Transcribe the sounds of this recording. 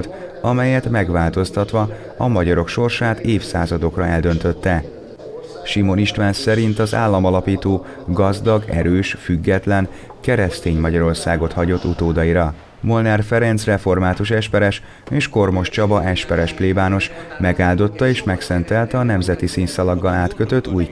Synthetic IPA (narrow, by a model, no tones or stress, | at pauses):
t̪ɒmɛjɛt̪mɛɡʋaːlt̪o̞st̪ɒt̪ʋɒ | ɒmɒɟɒɾo̞kʃo̞rʃaːt̪eːfsaːzɒd̪o̞krɒɛld̪ø̞nt̪ø̞t̪ːɛ | ʃimo̞niʃt̪ʋaːnsɛɾint̪ɒza̰ːlːɒmɒlɒpiːt̪oː | ɡɒzd̪ɒɡɛ̰ɾøːʃfyɡːɛt̪lɛn | kɛɾɛst̪eːɲmɒɟɒɾo̞rsaːɡo̞t̪hɒɟo̞t̪ːut̪oːd̪ɒjiɾɒ | mo̞lnɛrfɛɾɛnt̪srɛfo̞rmaːt̪uʃɛʃpɛɾɛʃ | eːʃko̞rmo̞ʃt͡ʃɒbɒʔɛʃpɛɾɛʃpleːbaːno̞ʃmɛɡaːld̪o̞t̪ːɒeːʃmɛksɛnt̪ɛlt̪ɒnɛmzɛt̪isiːnsɒlɒɡːɒlaːt̪køt̪ø̞t̪ːuːj